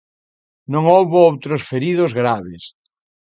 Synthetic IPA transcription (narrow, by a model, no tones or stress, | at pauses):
nõŋowβoowt̪ɾosfeɾiðʊzɣɾaβes